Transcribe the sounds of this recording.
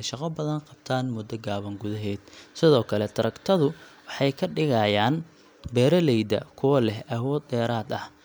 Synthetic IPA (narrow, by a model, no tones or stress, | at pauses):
ɛjʃɑqɐbɐðɐnqɑbt̪ʰaːnmʊd̪ːɐɡaːβɐŋɡʊðɐɦɛːd̪̚sɪðɔːkʰɐlɛt̪ʰɐɾɐkt̪ʰɐðʊwɑħɑjkʰɐɖɪɣɐjaːn | bɛːɾɐlɛjd̪ɐ̰kʰʊwɐlɛhɐwɔːd̪ːɛːɾaːd̪ɐh